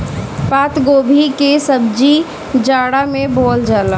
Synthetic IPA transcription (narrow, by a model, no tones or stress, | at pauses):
paːt̪ɡoːbʱikesəbd͡ʒi | d͡ʒaːɽamẽboːld͡ʒaːla